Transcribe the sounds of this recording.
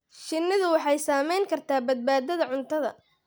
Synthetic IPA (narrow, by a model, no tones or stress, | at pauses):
ʃɪnːɪðʊwɑħɑjsaːmɛjŋkʰɐrt̪ʰaːbɐd̪̚baːd̪ɐðɐʕʊnt̪ʰɐðɐ̰